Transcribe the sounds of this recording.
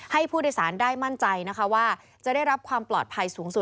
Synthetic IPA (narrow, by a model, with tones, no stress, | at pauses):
ha˥˩jpʰuː˥˩do˥˩jsaː˩˦ndaː˥˩jma˥˩nt͡ɕa˧jna˦˥kʰa˦˥waː˥˩ | t͡ɕa˨˩da˥˩jɾa˦˥p̚kʰwaː˧mplɔ̰ː˨˩t̪̚pʰa˧jsuː˩˦ŋsu˨˩t̪̚